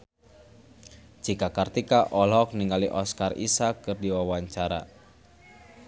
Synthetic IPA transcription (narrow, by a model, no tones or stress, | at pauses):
d͡ʒikakart̪ikaʔɔlɔk̚niŋɡaliʔɔskarḭsakːɨrdiwawaɲt͡ʃaɾa̰